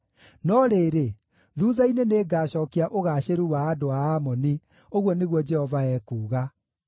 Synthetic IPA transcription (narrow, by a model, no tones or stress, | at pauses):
nɔɾeːɾe | ðuːðaineneːɡaːɕɔːkiaʔoɣaɕeɾuwaːdoaːmɔni | oɣwɔneɣwɔd͡ʒɛhɔvaɛkuːɣa